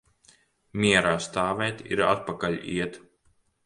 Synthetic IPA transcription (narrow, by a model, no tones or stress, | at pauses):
mʲiɛɾaːst̪aːvɛːt̪ʲḭɾa̰t̪̚pakalʲḭɛt̪